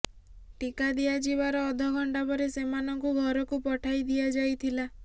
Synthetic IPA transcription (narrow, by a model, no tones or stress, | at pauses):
ʈikad̪iad͡ʒibaɾɔːd̪ʱɔɡʱɔɳɖapɔɾesemanɔŋkuɡʱɔɾɔkupɔʈʰajd̪iad͡ʒajt̪ʰila